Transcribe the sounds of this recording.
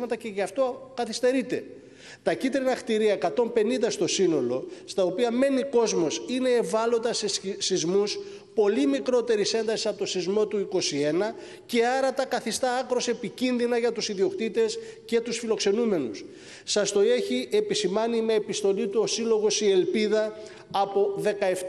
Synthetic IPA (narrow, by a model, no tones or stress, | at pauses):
mɐt̪ɐce̞ʝɐft̪o̞kɐθist̪e̞ɾit̪e̞̰ | t̪ɐcit̪ɾinɐxt̪iɾiɐekɐt̪o̞mpe̞nind̪ɐst̪o̞sino̞lo̞st̪ɐo̞piɐme̞niko̞zmo̞sine̞ːvɐlo̞t̪ɐsesizmus | po̞limikɾo̞t̪e̞ɾise̞nd̪ɐsisɐpot̪o̞sizmo̞t̪uiko̞sie̞nɐ | ce̞ɐɾɐt̪ɐkɐθist̪ɐɐkɾo̞se̞picinðinɐʝɐt̪usiðio̞kt̪it̪e̞sce̞t̪usfilo̞kse̞nume̞nus | sɐst̪o̞e̞çiʔe̞pisimɐnimeepist̪o̞lit̪uosilo̞ɣo̞sie̞lpiðɐ | ɐpo̞ðe̞kɐe̞f